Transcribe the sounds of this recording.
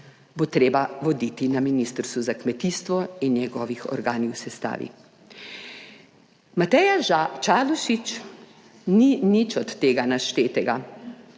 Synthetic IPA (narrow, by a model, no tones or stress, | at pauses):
bot̪ɾeːbaʋɔd̪it̪inaminist̪ɾst̪uzakmɛt̪iːst̪ʋɔinjɛɡɔːʋixɔ̰ɾɡaːniwsɛst̪a̰ːʋḭ | mat̪ɛjat͡ʃaluʃit͡ʃ | ninit͡ʃɔt̪ːeːɡanaʃt̪eːt̪ɛɡa